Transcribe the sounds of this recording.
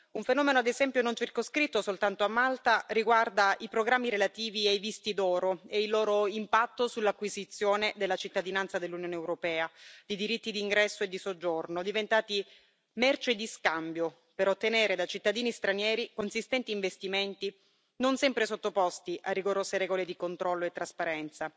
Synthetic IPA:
uɱfenɔːmenoad̪ezɛmpjonont͡ʃirkoskɾit̪ːosolt̪ant̪oamːalt̪ariɡward̪aipɾoɡɾamːiɾelat̪iːviajvist̪id̪ɔːɾoeilːoːɾoimpat̪ːosulːakːwizit̪sːjoːned̪elːat͡ʃit̪ːad̪inant̪sad̪elːunjoːneːwɾopɛːad̪̥id̪iɾit̪ːid̪iŋɡɾɛsːoed̪ːisod͡ʒːornod̪ivent̪aːt̪i | mɛrt͡ʃed̪iskambjo | peɾot̪ːeneːɾed̪at͡ʃit̪ːad̪iːnist̪ɾanjɛːɾikonsist̪ɛnt̪iːɱvest̪iment̪i | nonsɛmpɾesot̪ːopɔst̪iʔarːiɡoɾoːseɾɛːɡoled̪ikont̪ɾɔlːoet̪ːɾaspaɾɛnt̪sa

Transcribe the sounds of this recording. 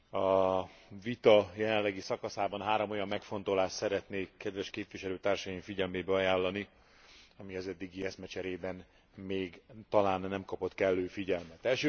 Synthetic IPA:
ɒ | vit̪ɒjɛlɛnlːɛɡisɒkɒsaːbɒnɦaːɾo̞mo̞jɒmːɛkfo̞n̪t̪o̞laːʃtsɛɾɛt̪neːkːɛd̪ʋɛʃkeːpʋiʃɛløːt̪aːrʃɒjiɱfiɟɛlmeːbɛɒjaːlːɒni | ɒmiɒzɛd̪ːiɡiɛsmɛt͡ʃɛɾeːbɛn | meːɡt̪ɒlaːnːɛmkɒpo̞t̪kɛlːøːfiɟɛlmɛt̪ɛlʃø

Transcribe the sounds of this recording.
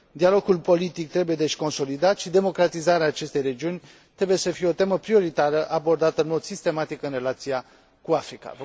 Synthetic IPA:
d̪ialo̞ɡulpo̞lit̪ik̚t̪ɾebuje̞d̪e̞ʃʲko̞nso̞lid̪at̪ʃid̪e̞mo̞kɾat̪izaɾeaːt͡ʃe̞st̪e̞jre̞d͡ʒiunʲ | t̪ɾe̞buje̞səfije̞ot̪e̞məpɾio̞ɾit̪aɾəʔabo̞rd̪at̪əɨnmo̞d̪sist̪e̞mat̪ikɨnre̞lat̪sia | kuafɾika̰v

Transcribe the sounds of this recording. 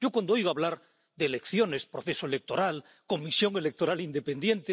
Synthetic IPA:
okwand̪oojɣoaβlaɾ | ðelekθjo̞ne̞spɾoθe̞soele̞k̚t̪o̞ɾal | ko̞misjo̞ŋe̞le̞k̚t̪o̞ɾalind̪e̞pe̞nd̪je̞nt̪e

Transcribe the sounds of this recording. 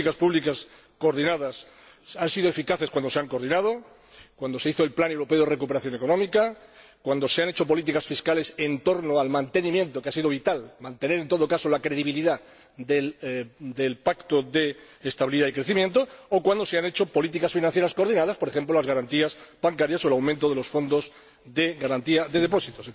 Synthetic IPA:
ikaspuβlikas | koɾðinaðas | ansiðoe̞fikaθe̞skwand̪ose̞aŋkoɾð̞inað̞o | kwand̪o̞se̞iθo̞e̞lplanewɾo̞pe̞o̞ðere̞kupe̞ɾaθjo̞nekonõ̞mika | kwand̪oseane̞t͡ʃo̞p̬o̞lit̪̬ikasfiskale̞se̞nt̪o̞ɾnoalmãnt̪enĩmje̞nt̪o̞keasiðo̞β̞it̪almãnt̪e̞ne̞ɾe̞nt̪o̞ð̞o̞kaso̞lakɾe̞ðiβ̞iliða | ðe | d̪elpakt̪oðe̞ː | st̪aβiliðaikɾe̞θimje̞nt̪oːkwand̪ose̞ane̞t͡ʃo̞po̞lit̪̬ikasfinãnθjɾaskoɾðinaðaspo̞ɾe̞xe̞mplolazɣaɾant̪iasb̥aŋkaɾjaso̞elawmẽnt̪o̞ð̞e̞lo̞sfo̞nd̪o̞z | ðe̞ɣaɾant̪iaðe̞ð̞e̞po̞sit̪os

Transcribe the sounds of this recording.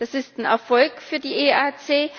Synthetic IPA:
d̥asɪstn̩ɛɐfɔlkfyːɐdiːʔeːaːt͡seː

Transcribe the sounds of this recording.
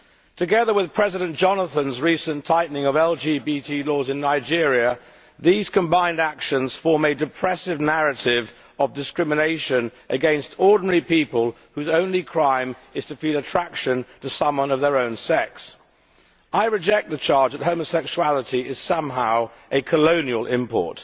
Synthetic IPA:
tʰɨɡɛðə˞wɨð̥pʰɹ̥ɛzɨɾɨ̃nd̥ʒ̥ɑnəθə̃nzɹisə̃ntʰaɪʔⁿnɪ̃ŋəvɛlˠd͡ʒibitʰilɔzɨ̃nːaɪd͡ʒɪɹiɨ | ðiz̥kʰə̃mbãɪ̃ndækʃə̃nz̥fɔɹmɨdɨpʰɹ̥ɛsɪvnæɹɨɾɪv | ʌvdɨskɹɪmɨneɪʃɨ̃nʔɨɡɛ̃nstʰɔɹdⁿn̩ɛɹipipəlˠ | hʉzõʊ̃nlikʰɹ̥ãɪ̃mɨz̥tʰɨfilətʰɹ̥ækʃɨ̃ntʰɨsʌ̃mwʌ̃nʌvðə˞õʊ̃nsɛks | ʔaɪɹɨd͡ʒɛk̪̚ðɨt͡ʃʰɑɹd͡ʒðət̚ɦoʊ̃məsɛkʃuælˠəɾiɪz̥sʌ̃mɦaʊʔɨkʰəlõʊ̃niəlˠʔɪ̃mpʰɔ̰ɹt

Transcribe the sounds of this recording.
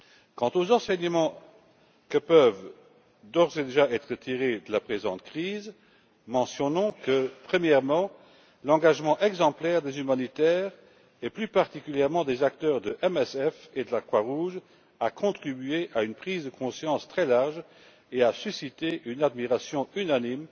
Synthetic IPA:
kɑ̃t̪ozɑ̃sɛɲəmɑ̃ | kəpœv | d̪ɔʁzed̪eʒaɛt̪χət̪ʰiʁed̪əlapχezɑ̰̃t̪kχiːz | mɑ̃sjɔnɔ̃kəpχəmjɛʁmɑ̃ | lɑ̃ɡaʒmɑ̃ʔɛɡzɑ̃plɛʁd̪ezymanit̪ɛːʁ | ɛplypaʁt̪ikyljɛʁmɑ̃d̪ezakt̪œːʁd̪əʔɛmɛsɛfed̪əlakχwaʁuʒ | akʰɔ̃t̪χibyeʔaynpχiːzd̪əkʰɔ̃sjɑ̃st̪χɛlaʁʒ | easysit̪eynad̪miʁasjɔ̃ynanim

